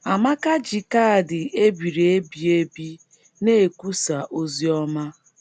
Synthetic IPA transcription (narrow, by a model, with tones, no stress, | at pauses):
a˨ma˦ka˦d͡ʒi˨ka˦˨dɪ˨e˦bi˨ɾi˨e˦bi˨e˦bi˦ | ne˦e˨ku˦sa˨ʔo˦zi˦ɔ˦ma˦